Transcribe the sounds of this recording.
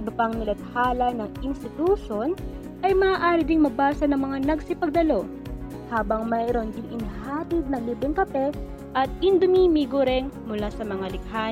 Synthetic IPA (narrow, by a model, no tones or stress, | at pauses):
ɪbɐpɐŋnɪlɐt̪̚haːlɐnɐŋɪnst̪ɪt̪uːʃon | ʔɐjmɐʔaːʔaːɾɪd̪ɪŋmɐbaːsɐnɐŋmɐŋanɐɡsɪpɐɡ̚d̪ɐlo̞ | haːbɐŋmɐɾond̪ɪnɪnhaːt̪ɪd̪̚nɐŋliːbɾɪŋkɐpɛ | ʔɐt̪̚ɪnd̪ʊmimiɡoɾɛŋmʊlasɐmɐŋalɪk̚ha